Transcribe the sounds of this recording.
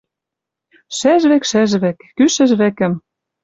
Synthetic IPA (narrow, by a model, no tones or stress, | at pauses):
ʃæʒβekʃæʒβæ̆kːyʃɘ̆ʒβæ̆kɘ̆m